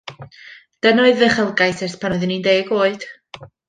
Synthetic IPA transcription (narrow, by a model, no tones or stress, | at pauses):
d̥ənoɨðəχəlˠɡajsɛrspʰanɔɨðɪnindeːɡoːɨd̥